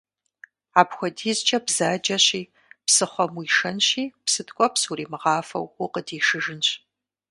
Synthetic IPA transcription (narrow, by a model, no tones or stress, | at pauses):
aːpxʷɔdiːzt͡ʃʼɐbz̥aːd͡ʒɐɕiː | psɨχʷɔmwiʂɐnɕiːpsɨdɡʷʼɔpsuriːmɨʁɑːfɐ̰wʊqədiːʂɨʒɨnɕ